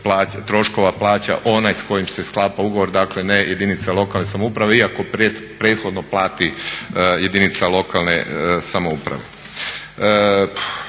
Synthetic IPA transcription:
plaːt̪ɾo̞ʃko̞ʋaplˠaːt͡ɕa̰ʔo̞najsko̞jimse̞sklˠaːpauɡo̞ʋo̞ɾd̪akle̞nejʔe̞d̪init̪salˠo̞kalne̞samoupɾaʋe̞iako̞pepɾet̪xo̞d̪noplaːt̪i | je̞d̪init̪salˠo̞kalnḛsamoupɾa̰ʋe̞̰

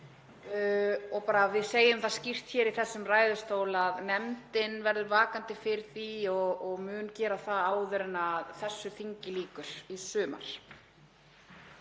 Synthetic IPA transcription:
ɔɣpaːɾavɪðseːjʏmθascir̥t̪çɛːɾiθɛsːʏmraːjðʏst̪oːwlaðnɛmt̪ɪnvɛɾðʏvaːkant̪ɪfɪɾθiɔɣɔɣmʏːncɛːɾaθaaːwðɛɾɪnaðθɛsːʏθiɲcɪliːkʏɾ̥isʏːma̰ɾ̥

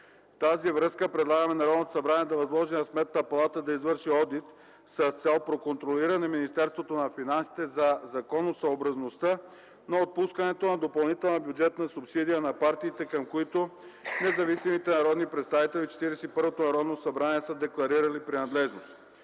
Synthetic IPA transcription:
ft̪azivɾɤskəpɾɛd̪lˠaɡəmɛnɐɾɔd̪not̪o̥sɐbɾaniɛd̪ɐvɐzlˠɔʒinɐsmɛt̪̚nəpɐlˠat̪əd̪ɐizvɤɾʃiɔd̪it̪ | sɐst̪sɛlˠpɾokont̪ɾoliɾɐnɛminist̪ɛɾst̪vot̪onɐfinansi̥t̪ɛzɐzɐkɔnosɐobɾɐznost̪ə | noot̪̚puskənɛt̪onɐd̪opɐlˠnit̪ɛlˠnɐbjud͡ʒɛt̪nɐsʊpsid̪ijənɐpaɾt̪iːt̪ɛkɐmkoit̪onɛzɐvisimit̪ɛnɐɾɔd̪nipɾɛt̪st̪avit̪ɛlit͡ʃɛ̥t̪iɾɛsɛipɤɾvot̪onɐɾɔd̪nosɐbɾaniɛsəd̪ɛklˠɐɾiɾɐlipɾinɐd̪lɛʒnost̪

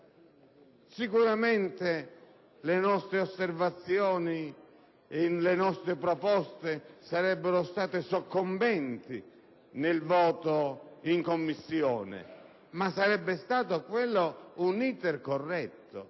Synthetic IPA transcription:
sikuɾamɛnt̪e | lenɔst̪ɾeosːervat̪sːjɔːni | ɪnlenɔst̪ɾɪpɾɔpɔst̪esaɾɛbːeɾost̪aːt̪ɪsokːombɛnt̪i | nelvɔːt̪oiŋkomːisːjɔːnɪ̰ | masːaɾɛbːest̪aːt̪okwelːounit̪erkorːɛt̪ːo̰

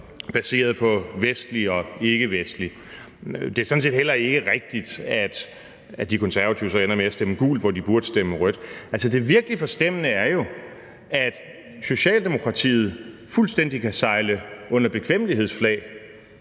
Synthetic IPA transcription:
b̥æse̝̰ːɐð̞̩ˠpʰɒ̽ʋesd̥liɒ̽e̝ɡ̥əʋesd̥li | d̥e̝æɐsɒn̩se̝̰ːd̥hel̰ɐe̝ɡ̥əʁɛɡ̥̚d̥id̥æd̥ | æd̥ikʰɔ̽nsæɐʋæt͡sʰiʊ̰sɒ̽enɐmeæsd̥eməɡ̥ṵːlʋɒdib̥uɐd̥ə̥sd̥eməʁœd̥ælsəd̥e̝ʋiɐɡ̥lifɒ̽sd̥em̰ənəæɐjo̝ | æd̥ | so̝ɕɛ̰ːld̥e̝mo̝kʰʁɑ̈t͡sʰḭːð̞̩ˠfulsd̥en̰d̥ikʰæsɑ̈ɪləɔ̽n̰ɐb̥e̝kʰʋemliɦe̝ð̰ˠsflɛ̰ɪ

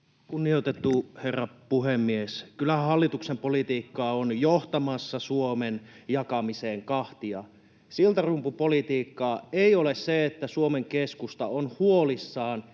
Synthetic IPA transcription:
kunːiot̪et̪ːuherːɑpuhemːieskylæhɑlːit̪uksempolit̪iːkːɑːonjoht̪ɑmɑsːɑsuomenjɑkɑmiseːŋkɑht̪iɑ | silt̪ɑrumpupolit̪iːkːɑːeiolesseet̪ːæsuomeŋkeskust̪ɑonhuolisːɑːn

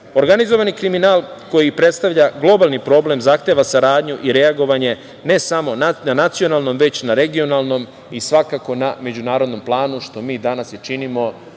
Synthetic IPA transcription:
oɾɡanizo̞ʋanikɾiminaːlˠko̞jipɾe̞t̪st̪aʋʎaɡlˠo̞balˠnipɾo̞ble̞mzaxt̪e̞ʋasaɾaːd̪ɲuʔiɾe̞aɡo̞ʋaɲe̞ | ne̞samo̞nananat̪sio̞naːlˠno̞mʋe̞t͡ɕnaɾe̞ɡio̞nalˠno̞m | isʋakako̞name̞d͡ʑunaːɾo̞d̪no̞mplˠaːnuʃt̪o̞miːd̪anasjet͡ʃinimo̞

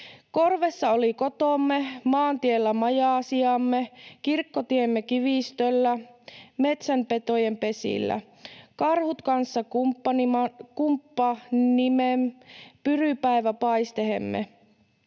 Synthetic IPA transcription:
ko̞rʋe̞sːɑoliko̞t̪omːemɑːnt̪ielːæmɑjɑːsiɑmːekirkːot̪iemːekiʋist̪ølːæme̞t̪sæmpe̞t̪ojempe̞sḭlːæ̰ | kɑrhut̪kɑnsːɑkupːɑniɑkumpːɑnimempyrypæeʋæpɑist̪eɦḛmːḛ

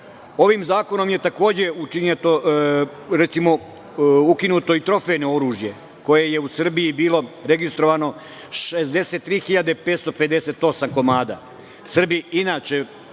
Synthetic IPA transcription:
o̞ʋiːmzaːko̞no̞mje̞t̪ako̞ːd͡ʑe̞ut͡ʃiɲet̪o | ɾet̪simo̞ | ukinuːt̪o̞it̪ɾo̞fejnooɾuːʒje̞ | ko̞je̞je̞usr̩bijibiːlˠo̞ɾe̞ɡist̪ɾo̞ʋano̞ | ʃezd̪e̞set̪ːɾiːxiʎad̪epeːt̪st̪o̞pe̞d̪ese̞ːt̪o̞samko̞maːd̪a̰ | sr̩biinaːt͡ʃe

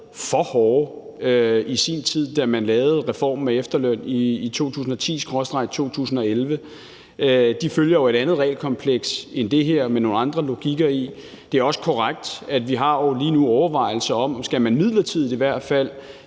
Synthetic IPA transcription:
fɒhɒːøisint͡sʰið̰ˠd̥æmænlɛːʊð̩ˠʁɛfɒ̰ːmːeefd̥ɐløn̰iːt͡sʰo̝̰ːt͡sʰṵːs̬n̩ɒ̽t͡sʰḭːsɡ̥ʁɒsd̥ʁɑ̈ɪt͡sʰo̝̰ːt͡sʰṵːsn̩ɒ̽elʋə | d̥iføljɐjo̝e̝ɾ̥ænð̞̩ˠʁɛ̰ɪlkʰɒ̽mpʰleɡ̥send̥e̝ɦeɐ̰meno̝ːn̩ɑ̈nd̥ʁɐlo̝ɡ̥iɡ̥ɐi | d̥e̝æɐɒ̽sə̥kʰɒʁaɡ̥̚d̥æd̥ʋiɦɑ̈oliːnuɒʊɐʋɑ̈ɪ̰l̩sɐɒ̽m̰sɡ̥æmænmið̰ˠlɐt͡sʰið̰̩ˠiʋæɐ̰d̥fæl̰

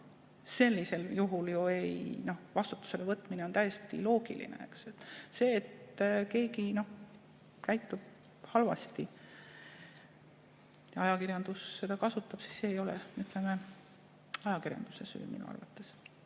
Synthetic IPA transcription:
se̞lʲːise̞ljuɦuljuejno̞hvɑst̪u̥t̪ːˑu̥se̞le̞vɤt̪ːˑmineo̞nt̪æjest̪ḭlo̞ːɡḭlḭnḛe̞̰kset̪ːˑse̞ːt̪ke̞ːkino̞h | kæjt̪ːˑub̥̚ | hɑlvɑ̰st̪i | jɑjɑkirjɑnd̪̥usːe̞d̪ɑkɑsut̪ːˑɑb̥si̥sse̞ːjo̞lɛ̰yt̪leme | ɑjɑkirjɑ̰nd̪̥use̞sy̰ːmḭnṵɑ̰rvɑ̰t̪ːˑe̞s

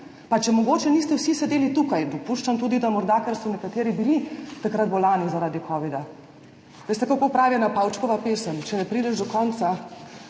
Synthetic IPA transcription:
pat͡ʃɛmɔɡoːt͡ʃɛnist̪ɛwsisɛd̪eːlit̪ukajd̪ɔpuʃt͡ʃamt̪uːd̪id̪amɔɾd̪akɛɾsɔnɛkat̪eːɾibilit̪akɾat̪̚bɔlaːnizaɾaːd̪ikʰɔːʋid̪a | ʋeːst̪ɛkakopɾaːʋinapawt͡ʃkɔʋapeːsəmt͡ʃɛnɛpɾiːd̪ɛʒd̪ɔkɔnt̪sa

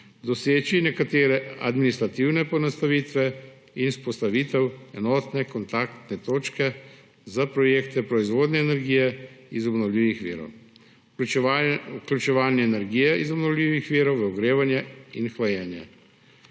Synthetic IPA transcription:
d̪ɔseːt͡ʃinɛkat̪eːɾɛa̰d̪minist̪ɾat̪iwnɛpɔnast̪aʋiːt̪ʋɛ | inspɔst̪aʋiːt̪ɛwɛnɔːt̪nɛkɔnt̪aːkt̪nɛt̪oːt͡ʃkɛ | zapɾɔjeːkt̪ɛpɾɔizʋoːd̪nɛːnɛɾɡiːjɛizɔbnɔwlʲiːʋixʋḭːɾɔ̰w | uklʲut͡ʃɛʋaːlnɛːnɛɾɡiːjɛizɔbnɔwlʲiʋixʋiːɾɔwʋɐɔɡɾeːʋanjɛinxlajɛːnjɛ̰

